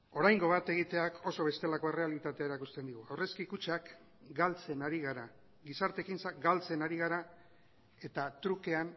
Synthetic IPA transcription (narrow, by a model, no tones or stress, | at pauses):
o̞ɾajŋɡo̞βat̪e̞ɣ̞it̪e̞akʰo̞so̞β̞e̞st̪e̞lako̞e̞re̞alit̪at̪e̞aeɾakust̪e̞nd̪iɣuawre̞skikut͡ʃak | ɡalt͡se̞naɾiɣ̞aɾa | ɡisaɾt̪e̞kint͡sakɡalt͡se̞naɾiɣ̞aɾa | e̞t̪at̪ɾuke̞an